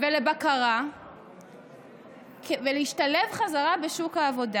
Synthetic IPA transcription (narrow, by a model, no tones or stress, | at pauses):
velebakaʁa | kveleiʃtale̞vχazaʁabeʃukhaːvo̞da